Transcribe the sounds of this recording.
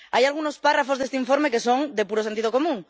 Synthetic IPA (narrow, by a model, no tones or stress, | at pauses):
ajalɣ̞uno̞sparafo̞zðest̪eiɱfo̞ɾme̞ke̞so̞ŋd̪e̞puɾo̞se̞nt̪iðo̞ko̞mũŋ